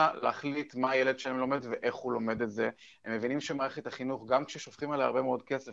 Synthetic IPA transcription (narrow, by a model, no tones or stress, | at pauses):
aleaχlit̪maːjeled̥ʃelemlo̞me̞dveʔe̞χhulo̞me̞d̪etze | emːevinimʃemaːʁeχet̪aχinuχɡamkʃeʃofχimalaja̰ʁbemeo̞dke̞sef